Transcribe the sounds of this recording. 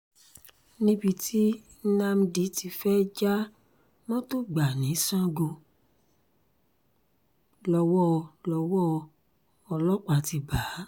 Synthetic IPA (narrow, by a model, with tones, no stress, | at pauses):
nĩ˦bi˧tʰi˦ | nã˦m̩˧di˨˦ti˧fɛ˦d͡ʒa˦ | mɔ̃˦to˦ɡ͡ba˨nĩ˨˦sã˦ɡo˧ | lɔ˧wɔ˦lɔ˧wɔ˦ | ɔ˧lɔ˦k͡pa˨ti˧ba˨˦